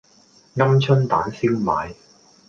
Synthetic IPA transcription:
ŋɐ˥mt͡ʃʰɵ˥nt̪aː˨˥nsiː˥wma̰ː˨˧j

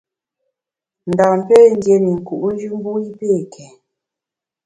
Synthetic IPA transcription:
n̩˨da˨m̩˨pe˦˨n̩˦dje˨ni˨ŋ̩˨ku˨ʔn̩˦d͡ʒʉ˦m̩˦bu˦i˦pe˦˨kʰɛ˨

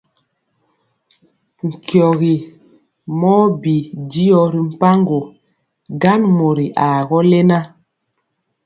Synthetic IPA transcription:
ŋ̩˨kjɔ˨ɣi˨ | mɔ˦bi˨di˦jɔ˦ɾi˨m̩˨pa˦ŋɡo˨ | ɡa˦nmo˨ɾi˨ʔa˨ɣɔ˦lɛ˦na˦

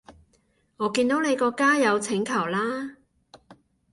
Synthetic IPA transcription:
ŋɔː˨˧kiː˧nt̪o˨˥wne˨˧jkɔː˧kaː˥jɐ˨˧wt͡sʰɪ˨˥ŋkʰɐ˨˩wlaː˥

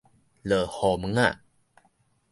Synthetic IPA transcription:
lə˨˩hɔ˨˩mɯ˨˦ŋa˧˨

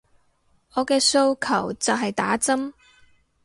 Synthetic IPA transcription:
ɔː˨˧kɛː˧so˥˧wkʰɐ˨˩wt͡sɐ˨wɦɐ˨jt̪aː˨˥t͡sɐ˥m

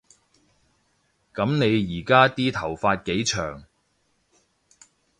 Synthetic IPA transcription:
kɐ˨˥mne˨˧jjiː˨˩kaː˥t̪iː˥t̪ʰɐ˨˩wfaː˧t̚ke˨˥jt͡ʃʰœː˨˩ŋ

